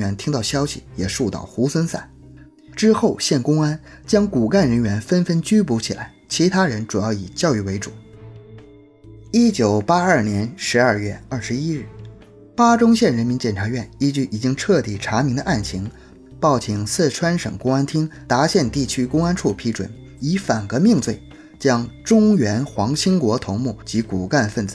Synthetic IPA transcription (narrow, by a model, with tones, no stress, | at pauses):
ɥɛ˧˥nt̪ʰi˥ŋt̪ɑ˥˩ʊɕjɑ˥ʊɕḭ˨jɛ˨˩ʂu˥˧t̪ɑ̰˥˩ʊxu˧˥swə˥nsa̰˥˩n | ʈ͡ʂɻ̩˥xo˥˩ʊɕjɛ˥˩nkʊ˥ŋa˥n | t͡ɕjɑ˥ŋku˨˩ka˥˩nɻə˧˥nɥɛ˧˥nfə˥nfə˥nt͡ɕy˥pu˧˥t͡ɕʰi˨˩la˧˥ɪt͡ɕʰi˧˥t̪ʰa˥ɻə˧˥nʈ͡ʂu˨˩jɑ˥˩ʊi˨˩t͡ɕjɑ˥˧ʊy˥˩we˧˥ɪʈ͡ʂu˨˩˦ | i˥t͡ɕjo˨˩ʊpa˥ɐ˞˥˩njɛ˧˥nʂɻ̩˧˥ɐ˞˥˧ɥɛ˥˧ɐ˞˥˩ʂɻ̩˧˥i˥ɻ̩˥˩ | pa˥ʈ͡ʂʊ˥ŋɕjɛ˥˩nɻə˧˥nmi˧˥nt͡ɕjɛ˥˩nʈ͡ʂʰa˧˥ɥɛ˥˩ni˥t͡ɕy˥˩i˨˩t͡ɕi˥ŋʈ͡ʂʰɤ˥˧t̪i˨˩ʈ͡ʂʰa˧˥mi˧˥ŋd̪ə˧ʔa˥˩nt͡ɕʰi˧˥ŋ | pɑ˥˩ʊt͡ɕʰi˧˩ŋsɹ̩˥˩ʈ͡ʂʰwa˥nʂɤ̰˨˩ŋkʊ˥ŋa˥nt̪ʰi˥ŋt̪a˧˥ɕjɛ˥˧nt̪i˥˩t͡ɕʰy˥kʊ˥ŋa˥nʈ͡ʂʰu˥˩pʰi˧˥ʈ͡ʂwə̰˨˩n | i˧˥fa˨˩nkɤ˧˥mi˥˧ŋt͡swe˥˩ɪ | t͡ɕjɑ˥ŋʈ͡ʂʊ˥ŋɥɛ˧˥nxwɑ˧˥ŋt͡ɕʰi˥ŋkwɔ˧˥t̪ʰʊ˧˥ŋmu˥˩t͡ɕi˧˥ku˨˩ka˥˧nfə˥˩nt͡sɹ̩˨˩˦